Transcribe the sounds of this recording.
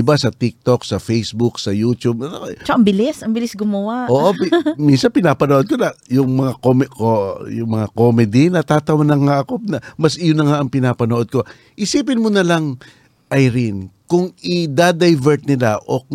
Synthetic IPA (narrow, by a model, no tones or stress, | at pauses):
ɪbasɐt̪ik̚t̪o̞ksɐfɛjsbuksɐjuːt̪ub̚ɐt͡ʃaʔɐŋbɪlɪsɐŋbɪlɪsɡʊmɐwaʔoːʔopminsɐnpɪnaːpɐnoʔod̪̚konɐjʊŋmɐŋakomkojʊŋmɐŋako̞mɛd̪ɪnɐt̪aːt̪ɐwɐnɐŋhaʔɐkop̚nɐmɐsʔɪjʊnːɐŋaʔɐŋpɪnaːpɐnoʔo̞d̪̚ko̞ | ʔɪsiːpɪnmonɐlaŋ | ʔɐjɾɪnkʊŋɪd̪ad̪ɐjvɛɹt̪̚nɪlaʔo̞̰